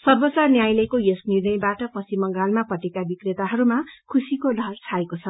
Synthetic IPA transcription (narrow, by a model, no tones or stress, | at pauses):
sʌrbʌsarnjajlʌkojesnidʌjbaʈʌpʌsimʌŋɡalmapʌʈekabikret̪aɦʌɾumakʰusikolʌrt͡sʰaekot͡sʰʌ